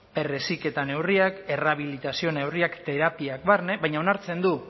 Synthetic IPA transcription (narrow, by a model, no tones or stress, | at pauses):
pe̞re̞sike̞t̪ane̞wriake̞raβ̞ilit̪asio̞ne̞wriakt̪e̞ɾapiak̚βarne̞βajɲao̞naɾt͡se̞nd̪u